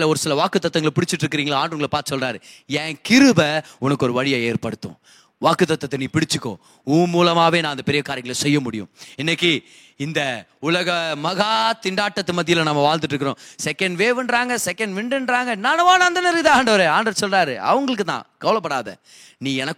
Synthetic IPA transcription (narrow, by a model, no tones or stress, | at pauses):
lɐɔɾɯsɪlɐʋaːkɯt̪ːɐt̪ːɐŋɡɐɭpɪɽɪt͡ʃːɪʈːɾɯkːɪɾiːŋɡɐɭaːɳɖɾɐŋɡɐɭɐpaːɾt̪ɯ̥sɔlraːɾɯɛːkɪɾɯbɐʊnɐkːɯɔɾɯʋɐɻɪjɐeːɾpɐɽɯt̪ːõ̰ː | ʋaːkːɯt̪ɐt̪ːɐt̪ːɐniːpɪɽɪt͡ʃːɯkːõ̰ː | uːmuːlɐmaːʋeːnãːɪnd̪ɐpɪɾɪjɐkaːɾjɐŋɡɐɭsɛjːɐmʊɽɪjʊ̰̃ɪnːɐkːi | ɪnd̪ɐʊlɐɣɐmɐɣaːt̪ɪɳɖaːʈːɐt̪ːɯmɐt̪ːɪjɪlɐnɐmːɐʋaːld̪ɯʈːɾɯkːɯɾõːsɛkːɐɳɖʋeːʋɪɳɖɾaːŋɡɐsɛkːɐɳɖʋɪɳɖɯɳɖɾaːŋɡɐnːaːnɐʋaːnɐɐnd̪ɐnɛɾɯkɯt̪ãaːɳɖɐʋɐɾeaːɳɖɐsɔlraːɾɯɐ̰ʋɐŋɡɐɭɯkːɯt̪ã̰ːkɐʋɐlɐp̬ːɐɽaːðɐ̰ | niːɛnɐkː